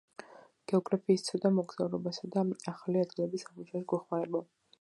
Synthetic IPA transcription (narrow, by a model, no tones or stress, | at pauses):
ɡ̥ɛɔɡɾapʰiːst̪sʰad̪amɔɡz̥aulɔbasad̪aaχaliad̪ɡilɛbisamut͡ʃʰaɛsɡɔχmaɾɛbɔ